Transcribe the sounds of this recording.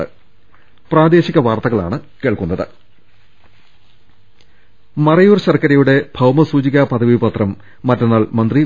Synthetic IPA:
ɨ̰ | praːd̪e̞ːɕiɣʲɐʋaːrt̪ɐɣɐɭa̰ːɳɨkeːɭkunːɐðɨ̰ | mɐrɐjuːrɕɐrkɐɾɐjuɽe̞b̥ʱɐwmɐsuːd͡ʑiɣaːpɐd̪ʰʱɐʋibɐt̪rɐmː | ɐtːɐnːaːlmɐnd̪ri

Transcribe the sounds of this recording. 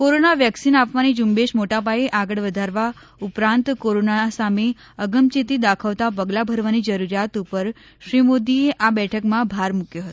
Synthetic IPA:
koɾonaʋjəksinapʋanid͡ʒumbeʃmoʈap̬aeʔaɡəɭʋəd̪ʱaɾʋa | upɾãnt̪koɾonasame | əɡəmt͡ʃit̪id̪akʰaʋt̪apəɡlabʱəɾʋanid͡ʒəɾuɾjat̪upəɾ | ʃɾimod̪ieʔabɛʈʰəkmãbʱaɾmukjoɦət̪o

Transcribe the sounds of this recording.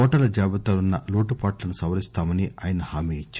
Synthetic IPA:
ɔːʈɐlɐd͡ʒaːbɐt̪aːlunːɐloːʈupaːʈlɐnusɐʋɐɾist̪aːmɐniaːjɐnɐhaːmiit͡ʃː

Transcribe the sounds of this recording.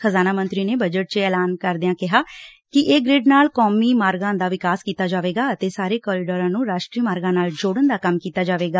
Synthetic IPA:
xʰəzaːnaːmənt̪ɾiːneːbəd͡ʒəʈ̚t͡ʃeɛːlaːnkəɾd̪ɪjãːkɪɦaː | kɪʔeːɡɾɪɖnaːlkoːmiːmaːɾɡãːnd̪aːʋɪkaːskiːt̪aːd͡ʒaːʋeːɡaːət̪eːsaːɾeːkɔːɾɪɖəɾãːnũːɾaːʃʈɾiːmaːɾɡãːnaːld͡ʒoːɽənd̪aːkəmkiːt̪aːd͡ʒaːʋeːɡaː

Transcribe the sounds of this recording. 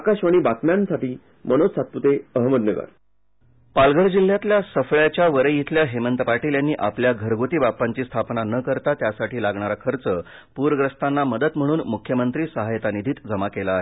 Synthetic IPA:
kaɕʋaɽ̃iːbakmjansaʈiː | mənosat̪̚put̪eəɦməd̪nəɡə̰ɾ | palɡʱəɾd͡ʑilːjat̪ljasəfɭjat͡ɕjaʋəɾəjit̪ʰljaɦemənt̪əpaʈiːljanːiːʔapljaɡʱəɾɡot̪iːbapːaɲt͡ɕiːst̪ʰapnanəkəɾt̪at̪jasaʈiːlaɡɳaɾakʰəɾt͡sə | puɾəɡɾəst̪anːaməd̪ət̪m̤əɽ̃uːnmukʰːjəmənt̪ɾiːsəɦajt̪anid̪ʱiːt̪d͡zəmakelaːɦe

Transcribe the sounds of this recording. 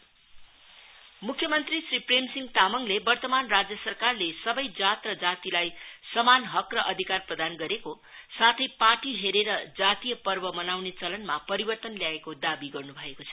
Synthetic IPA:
mukʰjʌmʌnt̪risripremsiŋɡt̪amʌŋlebʌrt̪ʌmanrad͡zjʌsʌrkarlesʌbʌjd͡zat̪rʌd͡zat̪ilajsʌmanɦʌkrʌʔʌd̪ʱikarprʌd̪anɡʌɾeko | sat̪ʰʌjpaʈiɦeɾeɾʌd͡zat̪ijʌpʌrbʌmʌnawnet͡sʌlʌnmapʌɾibʌrt̪ʌnljaekod̪abiɡʌrnubʱʌekot͡sʰʌ

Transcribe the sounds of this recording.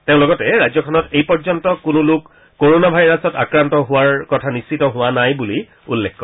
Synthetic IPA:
teʊ̃lɔɡɔtɛɹajzɔkʰɔnɔtejpɔɹzɔntɔkʊnʊlʊkː | oɹonabʱajɹɔsɔta̰kɹantɔɦʊaɹkɔtʰanissitɔɦʊwanajbuli | ulːekːɔ

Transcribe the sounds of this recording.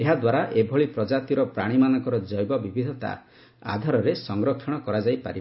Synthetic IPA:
eɦad̪waɾaʔebʱɔɭipɾɔd͡ʒat̪iɾɔpɾaɽ̃imanɔŋkɔɾɔd͡ʒɔjbɔbibʱid̪ʱɔt̪a̰ | a̰d̪ʱaɾɔɾesɔŋɡɾɔkʰːɔɽ̃ɔkɔɾad͡ʒajpaɾib

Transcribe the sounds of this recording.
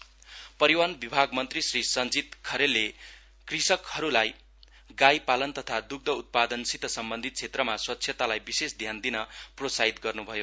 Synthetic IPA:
pʌɾiwanbibʱaɡmʌnt̪risrisʌnd͡zit̪kʰʌɾelːe | krisʌkhʌɾulaj | ɡajpalʌnt̪ʌt̪ʰad̪uɡ̚d̪ʱʌut̪̚pad̪ʌnsit̪ʌsʌmbʌnd̪ʱit̪̚t͡sʰet̪rʌmaswʌt̪ːsʰjet̪alajbisesd̪ʱjand̪inʌprosaɦit̪ɡʌrnubʱʌjo

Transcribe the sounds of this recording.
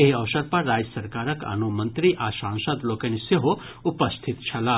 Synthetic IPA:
eɦɐʋsɐɾpɐɾːaːd͡ʒəsɐɾkaːɾɐkɐ̰nomɐ̃nt̪ɾiʔasãːnsɐd̪loːkeniseɦo | upɐst̪ʰit̪t͡ʃʰɐlaː

